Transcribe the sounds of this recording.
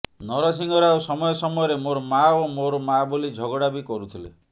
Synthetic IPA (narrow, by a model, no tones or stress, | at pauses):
nɔɾɔs̬iŋɡɔɾausɔmɔjɔsɔmɔjɔɾemoɾɔmaomoɾɔmabulid͡ʒʱɔɡɔɽabikɔɾut̪ʰilḛ